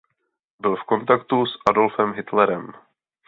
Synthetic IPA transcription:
bɪlfko̞nt̪akt̪usʔado̞lfɛmɦɪt̪lɛɾɛm

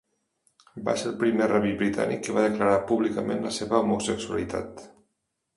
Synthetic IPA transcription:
ba̰selpɾimeraβibɾit̪a̰nḭkːəβaðəkləɾapuβlikəmẽnləseβəomusəksuə̰lit̪a̰t̪

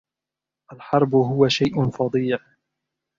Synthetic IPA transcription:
ʔalħɑɾˤbʊɦʊwaʃajʔʊfɑd̪ˤiːʕ

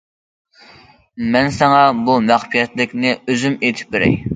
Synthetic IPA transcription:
mɛnsɛŋɑbumæχpʰijɛt̪lɪkʲnɪøzymet̪ʰɪ̥p̚beɾɛ̰j

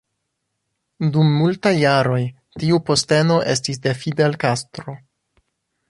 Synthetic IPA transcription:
dumːultajːaɾo̞j | tiupo̞ste̞no̞ʔe̞s̬tis̬de̞fidelkastɾo̞

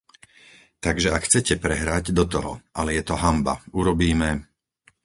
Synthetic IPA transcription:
t̪aɡʒɛakxt͡sɛcɛpɾɛɦɾaɟd̪ɔt̪ɔɦɔʔalɛjɛt̪ɔɦamba̰uɾɔbiːmɛ

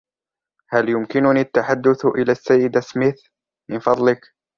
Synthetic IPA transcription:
haljʊmkɪnʊniat̪ːaħad̪ːʊθʔɪlaːsːajːɪd̪asmɪθ | mɪnfɑd̪ˤlɪk

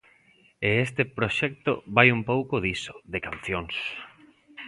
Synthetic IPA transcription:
eest̪ɪpɾoʃɛk̚t̪oβajumpowkoðiso̥ðekan̟θjoŋs

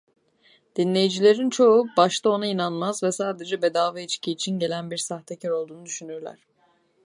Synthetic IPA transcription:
d̪̥inlʲe̞jid͡ʒilʲe̞ɾint͡ʃʰo̞ubaʃt̪ʰao̞nainanmazvɛsaːd̪e̞d͡ʒɛbe̞d̪aːvɛit͡ʃcʰiːt͡ʃʰinɟe̞lʲænbiɾsaxt̪ʰecʰɛɾo̞lˠd̪uːnud̪yʃynyɾlʲæ̰ɾ̝̥

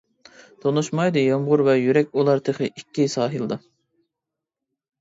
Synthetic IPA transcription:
t̪ʰonuʃmɑjd̪ɨjɑmʁʊɾvɛjyɾɛkʲulˠɑɾt̪ʰeχɨʔikʲːisɑːɦɨlˠɨd̪ɑ

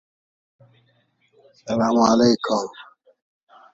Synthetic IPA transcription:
sɐlaːmalejkʊm

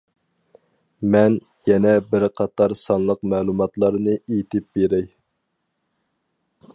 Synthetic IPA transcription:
mɛn | jɛnɛbɪɾqʰɑt̪ɑɾsɑnlˠəqmɛːlˠumɑt̪lˠɑɾnɨejt̪ʰɪp̚beɾɛj

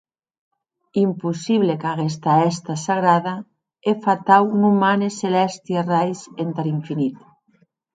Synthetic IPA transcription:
impusiβlekaɣes̬t̪aɛst̪asaɣɾaða | efat̪awnumaneselɛst̪ierajsent̪aɾiɱfinit̪

